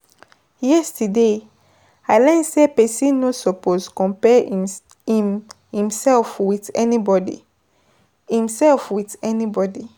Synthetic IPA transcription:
jɛstude | aɪlɛ̃nsepɛsĩnnosɔposkɔ̃mpɛ | ĩmhĩmsɛlfwitɛnibɔdḭ | hĩmsɛlfwitɛnibɔdi

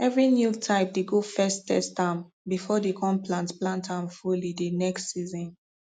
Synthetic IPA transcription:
ɛvɹinjutʰaɪp̚deɡofɛstɛ̰stãm | bifɔdekʰɔ̃mplãntplãntʰãmfulidenɛkstsizɔ̃n

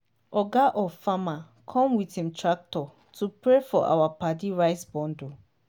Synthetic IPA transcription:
ɔɡaʔɔfama | kʰɔ̃mwithĩmtʰɹak̚tɔ | tupɹefɔʔa̰wapadiɹaɪsbɔ̃ndo

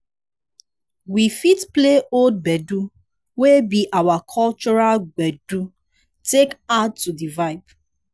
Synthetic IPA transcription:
wifitpleold̚bɛdu | webiʔawakʰɔlt͡ʃɔɹalɡ͡bɛdu | tekad̚tudivaɪp

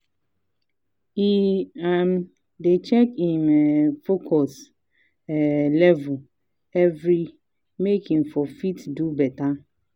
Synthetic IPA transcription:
iam | det͡ʃɛkimɛfokʰɔs | ɛlɛvu | ɛvɾi | mekʰĩŋfɔfitdubɛta

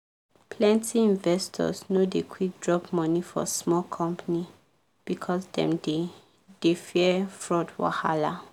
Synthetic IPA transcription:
pʰlɛ̃ntʰiĩnvɛstʰɔ̰snodekʰwik̚dɹɔpmɔnifɔ̰smɔlkʰɔ̃mpani | b̥ikʰɔsdɛ̰̃mde | d̥efiɛɛfɹɔdwa̰hala

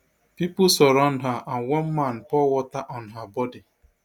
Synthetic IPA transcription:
pipʊsɔɾɔnɦaʔanwɔn̩man̩pɔwɔtaʔɔnɦabɔdi

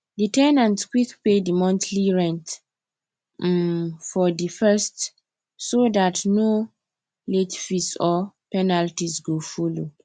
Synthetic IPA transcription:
ditɛnãnskwikpedimɔ̃ntʰliɹɛ̃nt | fɔdifɛst | sodatno | letfisɔpɛnaltisɡofulo

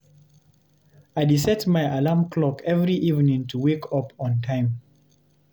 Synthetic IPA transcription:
aɪdisɛtmajʔalamkʰlɔkʰɛvɹiʔivnĩŋtʰuwekʰɔpʰɔ̃ntʰãɪ̃m

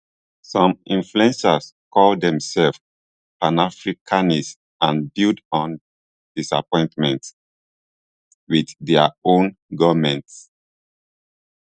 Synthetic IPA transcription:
sɔ̃mĩnfluɛ̃nsaskʰɔldɛ̃msɛlf | panafɹikʰanis | ãnbildɔ̃n | d̥isa̰pɔ̃ɪ̃ntmɛ̃nt | widdɛəõnɡɔvmɛ̃nts

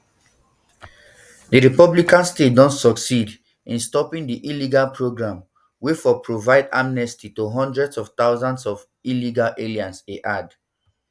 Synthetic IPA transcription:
dəɹipɔblikãnstet̚dɔ̃ntsɔksid | ĩnstɔpĩŋdiʔiliɡalpʰɹoɡɹãm | wefɔpɹovaɪda̰mnɛstitoɦɔ̃ndɹɛdsɔft̪aʊzãndsɔv | iliɡalʔeliãnseʔad

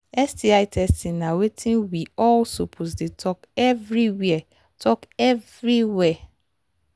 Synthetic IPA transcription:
ɛstʰiaɪtʰɛstĩnːãwetʰĩnwiɔlsopʰos̬detʰɔkɛvɾiwiɛ | tʰɔkɛvɾiwɛ

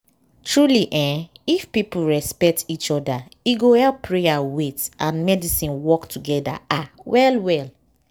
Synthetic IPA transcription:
tɹuliʔɛ̃ifpipuɹɛspɛk̚tit͡ʃɔdaiɡohɛlpɹejawetʔãnmɛdisĩnwɔktuɡɛda̰awɛlwɛl

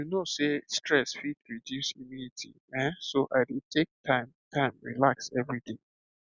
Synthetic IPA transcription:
junosestɹɛsfit̚ɹidjusimunitʰḭ | ɛ̃soʔaɪdetʰek̚tʰãɪ̃mtʰãɪ̃mɹḭlaksɛvɹit̪ĩŋ

